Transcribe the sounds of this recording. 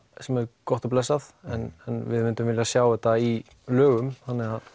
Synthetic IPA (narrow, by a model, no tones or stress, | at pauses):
sɛmɛɾkɔht̪ɔplɛsaθɛnɛnvɪðmɪnt̪ʏmvɪljasjaːwɛht̪ːai | lœːɣʏmθanːɪɣað